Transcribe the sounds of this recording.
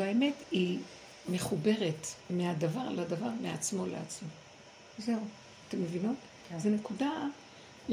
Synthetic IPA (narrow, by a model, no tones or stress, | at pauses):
aeme̞ti | me̞χube̞ʁe̞tmeadavaʁladavaʁmeat͡smo̞lḛat͡smo | ze̞u | ate̞mːevinot | zene̞kuda